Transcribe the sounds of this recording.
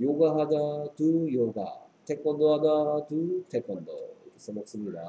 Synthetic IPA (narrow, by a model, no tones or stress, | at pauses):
joɡaɦadatujoɡa̰tʰek͈ʌndoɦadatutʰek͈ʌndʌ̰es͈ɯmok̚s͈ɯmɲida